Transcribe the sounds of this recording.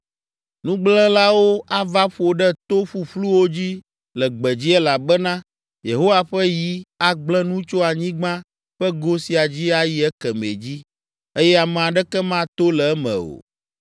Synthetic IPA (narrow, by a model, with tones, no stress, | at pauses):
nũ˦ɡ͡blɛ̃˦la˦wo˦ʔa˦va˦ɸo˨ɖɛ˦t̪o˦ɸu˨ɸlu˦wo˦d͡ʑi˦ | lɛ˨ɡ͡bɛ˨d͡ʑi˦ɛ˦la˨bɛ˦nã˦ | je˨ɦo˦wa˨ɸɛ˦ji˦a˨ɡ͡blɛ̃˦nũ˦t͡ʃo˦a˨ɲĩ˦ɡ͡bã˦ | ɸɛ˦ɡo˦si˨a˨d͡ʑi˦a˨ji˦ɛ˦kɛ˨mḛ˨d͡ʑi˦ | e˦jɛ˦a˨mɛ̃˨a˨ɖɛ˦kɛ˦mã˦t̪o˦lɛ˨ɛ˦mɛ̰̃˨o̰˨